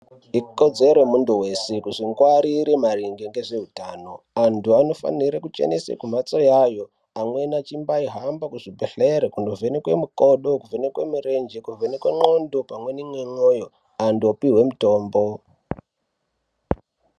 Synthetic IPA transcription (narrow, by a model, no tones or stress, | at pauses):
ikod͡ze̞ɾomunduwe̞sekuʐiŋɡwaɾiɾemariŋɡeŋɡeʐe̞ɦutaːno̞ | antʰuano̞fa̰niɾekut͡ʃe̞̰nesḛkum̤at͡sojajo̞ | amwe̞nat͡ʃimbaiɦambakuʐibʱeɬeɾekundovʱenekwe̞mukoɗo̞kuvenekwe̞mire̞nd͡ʒekuvenekwe̞ŋ͡ǃo̞ndopamwe̞nimwemoːjo | anduopiɦwe̞muto̞ːmbo̞